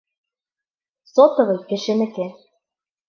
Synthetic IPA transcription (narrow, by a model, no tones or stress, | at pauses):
sot̪ɤ̆βɤ̆jkĕʃĕnɘ̆ke